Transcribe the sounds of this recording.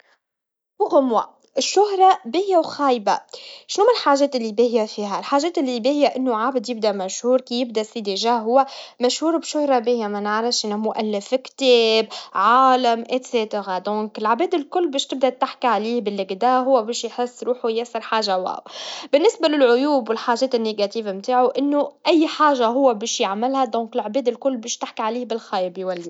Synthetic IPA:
wʊɣʊmwa̰ | ʔɪʃːʊɦɾˤɑbijawxaːjba̰ʃnuːmɪlħaːʒɛːt̪ɪlːibihɪjːafiːɦælħaːʒɛːt̪ɪlːibihɪjaʔɪnːuʕabɪd̪jɪb̚d̪æmæʃhuːɾkijɪb̚d̪æsid̪iʒaːɦʊwːæmæʃhuːɾbʃʊhɾˤɑbɪhjamænəʕɾɑfʃʔɪnːæmʊʔælːɪfkt̪ɛːbʕaːlamʔɪt̪seːt̪aɣad̪ɔ̃ːkɪlʕabɛːd̪ɪlkʊlːbɛːʃt̪ɪb̚d̪at̪ːɪħkiʕaliːbɪlːɪɡd̪aːɦʊwːæbɛːʃjħɪsːɾuːħujæsɪɾˤħaːʒawa̰ːwbɪnːɪsbalɪlʕʊjuːbwɪlħaːʒɛːt̪ɪnːeɡat̪iːvamt̪aːʕoʔɪnːoʔæjːħaːʒaɦʊwːabɛːʃjaʕmɪlhad̪ɔ̃ːkɪlʕbɛːd̪ɪlkʊlːbɛːʃt̪ɪħkiʕaliːhbɪlxajbjwælːi

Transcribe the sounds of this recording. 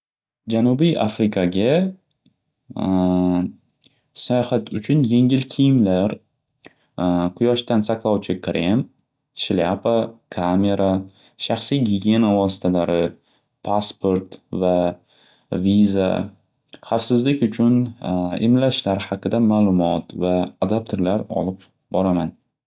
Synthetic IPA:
d͡ʒanʊbijʔa̰fɾɪkʰaɡʲa | sajɒχat̪ʰʊt͡ʃʰʊnje̞ŋɪlkʲʰijɪmlaɾ | qʰʊjɒʃt̪ansaqlˠɒwt͡ʃʰɪkʰɾim | ʃlapakʰame̞ɾa | ʃaχsijɡʲiɡʲe̞navɒsɪ̥t̪ʰalaɾɪ | pʰaspʰo̞ɾt̪va | viza̰ | χafsɪzlɪkʲʊt͡ʃʰʊnɪ̰mlaʃlaɾhɑqɨd̪amaːlˠʊmɒt̪vaːd̪ap̚t̪ʰoɾlaɾɒ̰lɪp | bɒɾaman

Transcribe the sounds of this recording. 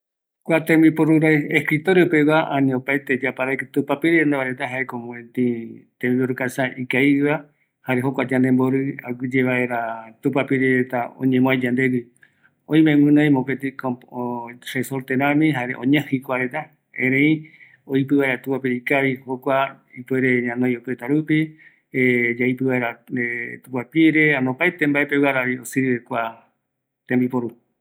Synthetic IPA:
kʷat̪ẽmbiporuɾaeskɾit̪oɾeopewaʔãnĩopajt̪ed͡ʒapaɾajkt̪upapiɾiɾend̪aβaɾet̪aɦaekomõẽt̪ĩt̪ẽmiporukasaʔikaiβa | haɾeɦokʷad͡ʒãnd̪emboɾɨaɡd͡ʒeβaeɾat̪upapiɾiɾet̪aõ̰ɲẽmõajd͡ʒãnd̪eɡi | õj̃mẽwɨ̃nõj̃mõpet̪ikooresoɾt̪eɾãmĩɦaɾḛʔõ̰ɲãhikʷaɾet̪a | ẽɾẽĩ | oipɨβaeɾat̪upapiɾeikaβihokʷa | ipueɾeɲãnõjopet̪aɾupi | ed͡ʒaipɨβaeɾaet̪upapiɾeanõpaet̪embaepewaɾaβiosiɾβekʷa | t̪ẽmbipoɾu

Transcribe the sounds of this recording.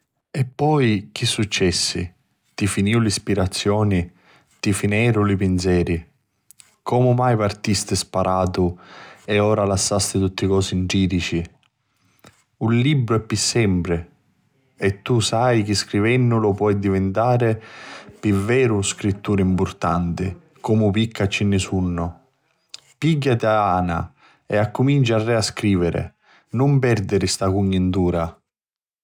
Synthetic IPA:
ɛpːɔjk̟isːut͡ʃːɛsːḭ | t̪ifiniwlispiɾat̪sːjɔːni | t̪ifinɛːɾʊlɪpɪnsjɛːɾi | kʰɔːmʊmajpart̪ist̪ɪspaɾʔaːt̪ʊɛɔːɾalasːast̪ɪt̪ut̪ːɪkɔːsind͡ʒiːɾit͡ʃi | ullibɾʊɛpːisːɛmpɾɪ | ɛt̪ːusajk̟iskɾivɛnːʊlʊpwɔjd̪ivɪnt̪aːɾɪpivɛːɾʊskɾit̪ːuːɾɪimpʊrt̪ant̪ɪ | kɔːmʊp̬ikʰːat͡ʃːinːɪsunːʊ | piɟːat̪ɪaaːna̰ | ɛakːʊmint͡ʃaarːɛaskɾiːvɪɾɪ̰ | nʊmpɛɾd̪ɪɾɪst̪akuɲːɪnt̪uːɾa

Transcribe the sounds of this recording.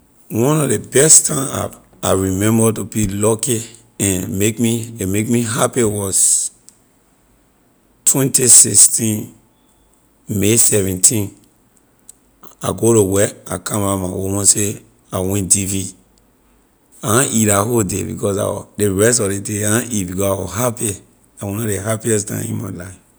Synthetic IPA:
wɔ̃nɔvdebɛstʰãna̰p | aɹimɛ̃mbətubilɔki | ɛ̃nmekmimekmiɦapiwɔz | tʰwɛ̃ntisikstĩn | mesɛvɛ̃ntʰĩn | a̰ɡoɾowɛa̰kʰãmamawomɔ̃nse | awɛ̃ndivi | aãʔiɾahodḛbḭkɔsa̰deɹɛstɔdedeaãʔit̚bikɔsawɔ̰ɦapi | dawɔ̃nɔɾeɦapiɛs̬dã̰ḭ̃mã̰laɪf

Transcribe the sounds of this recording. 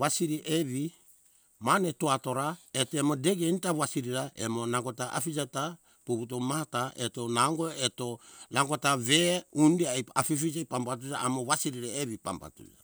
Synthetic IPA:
wasiɾiʔeβi | manetoato̞ɾaetoemo̞de̞ɡentawasiɾiɾaʔemonaŋɡotaʔa̰fid͡ʒata | puput̬omaataʔetonaŋɡoeto̞naɡotaβe̞undiaja̰fifid͡ʒajpampat̬ud͡ʒaʔamo̞wasiɾiɾeeβipa̰mpa̰tṵd͡ʒa

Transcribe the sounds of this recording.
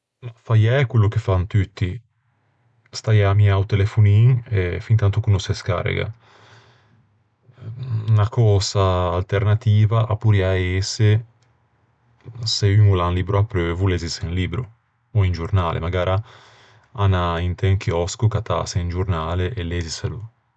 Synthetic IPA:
mafajɛkwelːuk̟efant̪yt̪ːi | st̪ajamiawt̪elefuniŋefint̪ant̪ukunoseska̰rḛɡa̰ | nakɔːzaːlt̪ernat̪iːvaʔapːuɾiaese | seymulanliːbɾoapːɾøːvulezisenliːbɾu | oind͡ʒuɾnaːlʔḛmaɡaːɾʔa | anaint̪ɛŋkjɔskukat̪a̰seind͡ʒuɾnaːleʔelezisalu

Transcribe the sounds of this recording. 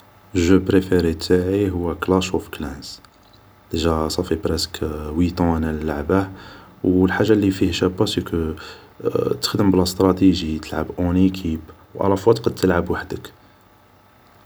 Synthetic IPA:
ʒøpɾefeɾit̪aʕiɦʊwːæklɑʃufklæns | d̪əʒæsˤɑfibɾæskwit̪ˤɑ̃nællːaʕbawəlħaʒːalːifihʃæbːɑsikə | t̪ə̥xd̪əmblæst̪ɾˤɑt̪iʒit̪ʰəlʕəbʔonikʰibwʔæ̰læfɑd̪qɑd̪̚t̪əlʕabwaħd̪ək

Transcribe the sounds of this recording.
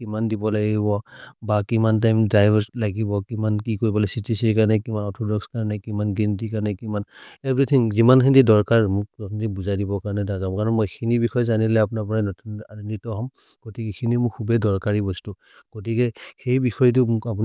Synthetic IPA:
kimandibɔlaɡibɔbakimantajmdɹajbɔlaɡibɔkimankikoɹibɔlɛsitisikaɹnɛkimanɔtʰɔdɔkskaɹnɛkimanɡintikaɹnɛkimanɛditʰiŋzimankʰindidɔɹkaɹmʊkkndibuzajdibɔkaɹnɛdaɡamkaɹɔnmojxʰinibixɔjzanilɛap̬unapɔɹanɔtʰunanitɔɦɔmɡ̥otikɛxʰinimʊkkʰːubɛdɔɹkaɹibɔstu | ɡ̥otikɛxejbixɔjt̬uapun

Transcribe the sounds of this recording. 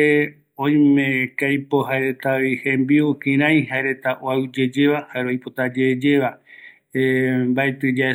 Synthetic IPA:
e | õj̃mẽkajpoɦaeɾet̪aʋihẽmbiokĩɾ̃ãj̃ɦaeɾe̞t̪aʔwaɨd͡ʒed͡ʒe̞βahaɾojpot̪ad͡ʒed͡ʒeβa | embaet̪ɨd͡ʒae

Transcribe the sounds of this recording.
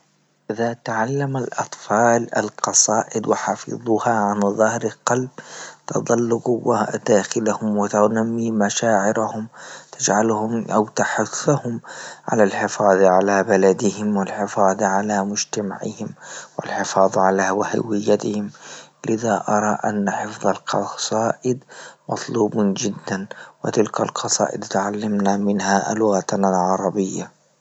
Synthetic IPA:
ʔʔɪðat̪aʕalːamalʔɑ̰t̪ˤfɑːla̰lqɑsˤɑːʔɪd̪wɪħɑfɨ̰ðˤuːhaʕanðˤɑhɾɪlqɑlb̚t̪ɑ̰d̪ˤɑlːʊɡwad̪̥aːxɪlahʊmwɪt̪anamːiːmaʃaːʕɪɾahʊmt̪ʰad͡ʒʕalhʊmʔawt̪aħʊθːahʊmʕa̰lalħɪfɑːðˤʕalabalad̪ɪhɪmwɪlħɪfɑːðˤʕalamʊd͡ʒt̪ama̰ʕɪ̰hɪmwɪ̰lħɪfɑːðˤʕalawɪha̰wɪjːat̪ɪhɪmlɪðaʔɑɾˤɑʔa̰nːaħɪfðˤɑlqʰɑsˤɑːʔɪd̪mɑt̪ˤluːbd͡ʒɪd̪ːanwɪ̰t̪ɪlkalqʰɑsˤɑ̰ːʔɪd̪t̪ʊʕalːamnamɪnhalʊɣat̪lʕɑɾˤɑbɪjːa

